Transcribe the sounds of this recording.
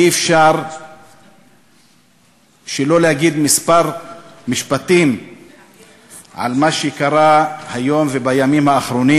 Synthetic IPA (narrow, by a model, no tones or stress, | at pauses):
efʃaʁ | ʃelo̞lehaɡid̪mispaʁmiʃpat̪im | ʕa̰lmaʃekaʁahajo̞mvebajamimhaːχɾo̞ni